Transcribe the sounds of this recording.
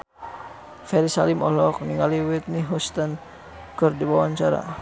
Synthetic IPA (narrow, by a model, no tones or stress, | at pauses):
fɛɾisalimɔlɔk̚niŋaliwit̪̚niɦɔst̪an | kɨrdibawaɲt͡ʃaɾa̰